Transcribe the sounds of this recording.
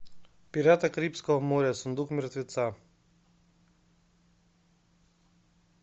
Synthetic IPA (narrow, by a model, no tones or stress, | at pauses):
piɾat̪akɾipskɔɔmoɾʲjasund̪ukmiɾt̪ʋit̪sa